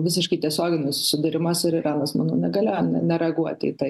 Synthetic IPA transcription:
ʋʲɪs̬ʲɪʃkɐɪt̪ʲiɛsʲoːɡʲɪnʲʊsʊ̥sʲɪd̪ʲɪɾʲɪmɐsɪɾɪɾɑːnɐsmɑːno̰ːnʲɛɡɐlʲeɐnʲɛnʲɛɾʲɛɐɡuɔt̪ʲḭːt̪ɐɪ

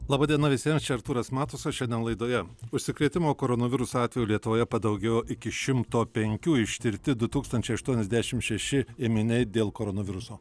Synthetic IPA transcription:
lˠɑːbɑːd̪ʲiɛnɐʋʲɪsʲiɛmst͡ʃʲɛɐɾt̪uːɾɐsmɑːt̪ʊsɐʃʲɛnd̪ʲɛnlˠɐɪd̪oːjɛʊʃʲsʲɪkɾʲeːt̪ʲɪmoːkoːɾoːnoʋʲɪɾʊsoːɑːt̪ʲʋʲɛjulʲiɛt̪ʊʋoːjɛpɐd̪ɐʊɡʲɛjoːʔɪkʲɪʃʲɪmt̪oːpʲɛŋʲkʲuːɪʃʲt̪ʲɪɾʲt̪ʲɪd̪ʊt̪uːkst̪ɐnʲt͡ʃʲɛɪɐʃt̪uɔnʲɛzʲd̪ʲæʃʲɪmʃʲɛʃʲɪeːmʲɪnʲɛɪd̪ʲeːlˠkoːɾoːnoʋʲɪɾʊsoː

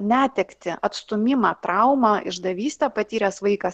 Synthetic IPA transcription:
nʲæːt̪ʲɛkt̪ʲɪɐt̪st̪ʊmʲɪmɑːt̪ɾʔɐʊmɑʔɪ̰ʒd̪ɐʋʲiːsʲt̪ʲɛpɐt̪ʲiːɾʲɛsʋɐɪkɐs

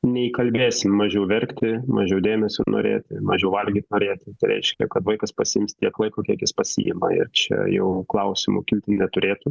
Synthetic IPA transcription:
nʲɛɪkɐlʲbʲeːsʲɪmmɑʒʲɛʊʋʲɛrʲkt̪ʲɪmɑʒʲɛʊd̪ʲeːmʲɛsʲʊno̰ːɾʲḛːt̪ʲɪmɐʒʲɛʊʋɐlʲɡʲiːt̪noːɾʲeːt̪ʲɪt̪ɐɪɾʲɛ̰ɪʃʲkʲɛkɐt̪ʋɐɪkɐspɐsʲɪɪmst̪ʲiɛklˠɐɪkukʲiɛkjɪspɐsʲɪ̰jɪ̰mɐɪ̰rt͡ʃʲɛ̰jɛ̰ʊklˠɐʊsʲɪmṵkʲɪlʲt̪ʲɪnʲɛt̪ʊɾʲeːt̪ʊ

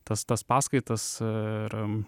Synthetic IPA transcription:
t̪ɐst̪ɐspɑːskɐɪt̪ɐsɪɾ

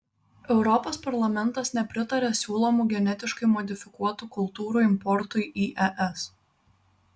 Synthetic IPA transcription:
ɛʊɾɔpoːspɐɾlˠɐmʲɛnˑt̪ɐsnʲɛpʲɾʲɪt̪ɐɾʲesʲuːlˠɔmuːɡʲɛnʲɛt̪ʲɪʃkɐɪmɔd̪ʲɪfʲɪkuɔt̪ukʊlˠt̪uːɾuːɪmpɔɾt̪ʊɪʔiːʔɛʔɛs

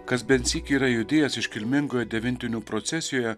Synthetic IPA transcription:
kɐsbʲɛnʲt̪sʲiːkʲiːɾɐjʊd̪ʲeːjɛsɪʃkʲɪlʲmʲɪŋɡoːjɛd̪ʲɛʋʲɪnʲt̪ʲɪnʲuːpɾot̪sʲɛsʲɪjoːjɛ

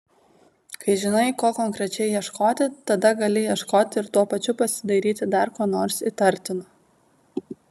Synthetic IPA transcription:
kɐɪʒʲɪnɐɪkoːkɔŋkɾʲɛt͡ʃʲɛɪjiɛʃkoːt̪ʲɪt̪ɐd̪ɐɡɐlʲɪjiɛʃkoːt̪ʲɪɾt̪uɔpɐt͡ʃʲʊpɐsʲɪ̥d̪ɐɾʲiːt̪ʲɪd̪ɐɾkoːnoːɾsit̪ɐɾʲt̪ʲɪnɐ

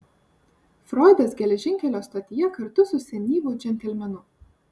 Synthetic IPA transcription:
fɾɔɪd̪ɐsɡʲɛlʲɛʒʲɪŋʲkʲɛlʲoːst̪ɐt̪ʲɪjɛkɐɾt̪ʊsʊsʲɛnʲiːʋʊːd͡ʒʲɛnʲt̪ʲɛlʲmʲɛnʊ

